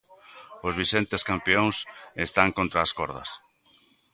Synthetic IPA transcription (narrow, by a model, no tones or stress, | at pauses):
ʊzβ̞isent̪eskampeoŋsest̪aŋkont̪ɾaːskoɾð̞ɐ̰s